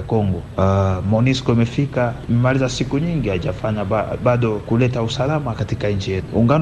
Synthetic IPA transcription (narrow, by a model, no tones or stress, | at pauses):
kɔŋɡɔmɔniskɔimɛfikaimɛmalizasikuɲiŋɡiaʄafaɲaaɓaɗɔkulɛtausalamakatikaind͡ʒijɛuŋɡan